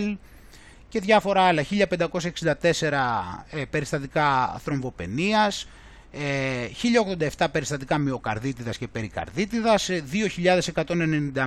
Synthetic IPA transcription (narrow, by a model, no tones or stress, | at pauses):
l | ce̞ðʝɐfo̞ɾɐɐlɐçiʎɐpend̪ɐko̞sɐeksind̪ɐt̪e̞se̞ɾɐpe̞ɾist̪ɐt̪ikɐθɾo̞ɱvo̞pe̞̰niɐs | eçiʎɐo̞ɣðod̪ɐe̞ft̪ɐpe̞ɾist̪ɐt̪̬ikɐmio̞kɐ̰ɾðit̪iðɐsce̞pe̞ɾikɐ̰ɾðit̪iðɐsðio̞çiʎɐðe̞se̞kɐt̪o̞nene̞nind̪ɐ